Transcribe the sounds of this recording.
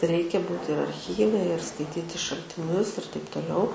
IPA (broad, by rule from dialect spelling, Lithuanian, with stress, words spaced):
ˈrʲɛɪkʲɛ ˈbuːt ɪr ɐrʲd͡zʲˈɣʲiːʋʲɛ ɪr skɐɪˈtʲiːtʲɪ ʃɐlʲtʲɪˈnʲʊs ɪr tɐɪp toːˈlʲɛʊ